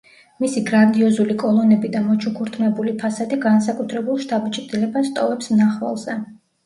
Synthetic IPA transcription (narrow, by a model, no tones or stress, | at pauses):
misiɡɾand̪iɔzulikʼɔlˠɔnɛbid̪amɔt͡ʃʰukʰuɾt̪ʰmɛbulipʰasad̪iɡans̬akʼut̪ʰɾɛbulˠʃt̪ʰʼabit͡ʃʼɾd̪ilɛbast̪ʼɔvɛpsmnaχva̰lˠzɛ